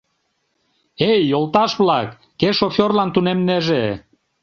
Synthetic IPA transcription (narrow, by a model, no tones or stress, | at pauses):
ejːolt̪ɑʃβlɑkːeʃofʲorlɑnt̪unemneʒe